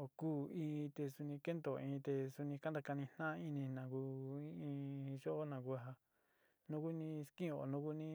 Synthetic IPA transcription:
o˧˨kuː˦ĩ˧t̪e˧su˧nĩ˧ke˦nd̪o˨ĩ˧t̪e˧su˧nĩ˧ka˦nd̪a˧ka˧nĩ˧n̥nã˦ĩ˦˧nĩ˧nã˨ku˧ĩ˦ĩ˧ʒo˦ʔo˦nã˨ku˧a˨ɦa˧ | nũ˧ku˦nĩ˧skĩ˦o˨nũ˧˦ku˦nĩ˦

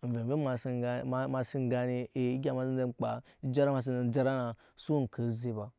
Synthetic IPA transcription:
n̩˨ve˨m˨ve˦a˨sa˦˨˦ma˨si˦ŋ˨ɡa˦ni˦e˨˦ɡʲa˨ma˨si˦n˦e˦˨k͡pa˨ | i˦d͡ʒa˦ɾa˦ma˨s̬i˦nze˨n˦d͡ʒa˦ɾa˦na˨ | su˦n̩˨kə˨˦ze˦ba˨

